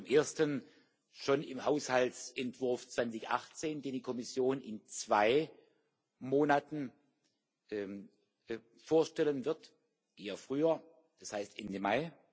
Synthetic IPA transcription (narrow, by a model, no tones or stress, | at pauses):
t͡sʊmʔeːɐstən | ʃonɪmhaʊshaltsʔɛntv̥ʊɐft͡sv̥ant͡sɪçʔa̰χt͡seːndeːndikʰɔmɪsjoːnɪnt͡sv̥aɪ | moːnatn̩ | ɛ | foːɐʃtɛlənvɪɐt | ʔeːɐfʁ̥yːɐ | d̥ashaɪstʔɛndəmaɪ